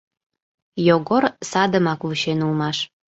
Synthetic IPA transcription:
joɣorsɑd̪əmɑkvuɕenulmɑʃ

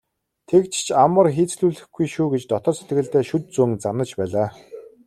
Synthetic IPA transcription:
t̪ʰekt͡ɕʰt͡ɕʰamə̆rxiːt͡sɮuːɮɘ̆xɡujʃuːɡet͡ɕt̪ɔt̪ɞ̆rset̪ɡɘ̆ɮt̪æːʃut̪̚t͡suŋt͡sanə̆t͡ɕpæːɮaː

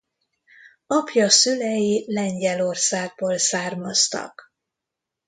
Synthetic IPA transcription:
ɒpjɒsylɛjilɛɲɟɛlo̞rsaːɡ̚boːlsaːrmɒst̪ɒ̰k

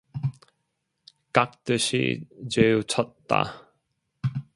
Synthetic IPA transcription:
kak̚t̪əɕḭd͡ʑeut͡ɕʰɔt̪ːa̰

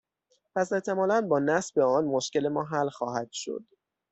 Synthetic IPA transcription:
pʰæse̞ʔt̪ʰe̞mɒːlænbɒːnæsbe̞ɒːnmoʃce̞le̞mɒːɦælxɒːhæd̪̥ʃo̰d̪̥

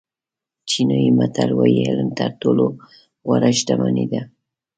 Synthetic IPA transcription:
t͡ʃɪnoɪmat̪alwajalant̪aɾt̪ʊlo | waɾaʃt̪amanɪd̪a

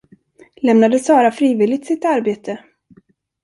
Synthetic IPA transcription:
lɛmnad̪əsɑːɾafɾiːvɪːlɪɡ̚t̪sɪt̪aɾbeːt̪ʰə

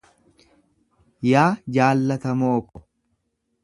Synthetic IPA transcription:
jaːd͡ʒaːlːɐt̪ɐmoːkːɔ̥

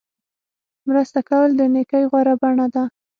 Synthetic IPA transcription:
mɾəst̪akawəld̪ənekajɣwaɾabaɳad̪a

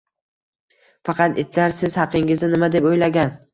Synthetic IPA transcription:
fɑqʰɑt̪et̪ʰlaɾsɪz̥hɑqʰɪŋɪznɪnɪmad̪e̞pojlaɡʲan

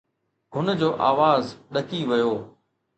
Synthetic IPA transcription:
ɦʊnəd͡ʑoːʔa̰ːʋaːzɗɐkiʋɐjoː

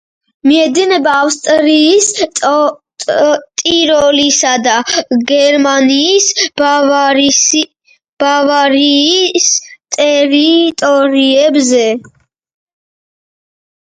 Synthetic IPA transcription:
miɛd̪inɛbaːfst̪ʼɾiːs | t̪ʼiɾɔlisad̪aɡɛɾmaniːsvɾ | b̥avaɾist̪ʼɛɾit̪ʼɔɾiɛbzɛ

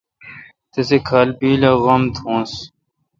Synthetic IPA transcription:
t̪esekʰaːlbiːlaɣɐmt̪ʰõːs

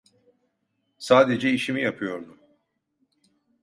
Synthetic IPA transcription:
saːd̪ed͡ʒɛiʃimijapʰɯjo̞ɾd̪ʊ

